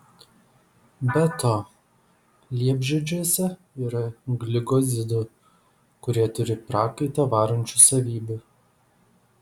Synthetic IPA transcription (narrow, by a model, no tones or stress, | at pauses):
bʲɛt̪oː | lʲiɛbʲʒʲɛd͡ʒʲuɔsʲɛ | iːɾɐɡlʲɪɡɔzʲɪd̪ʊ | kʊɾʲiɛt̪ʊɾʲɪpɾɑːkɐɪt̪ɐʋɑːɾɐnʲt͡ʃʲusɐʋʲiːbʲʊ